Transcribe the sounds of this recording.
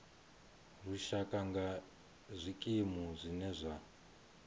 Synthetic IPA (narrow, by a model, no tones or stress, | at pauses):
ruʃakʼaŋɡa | zʷikʼimuzʷinɛzʷa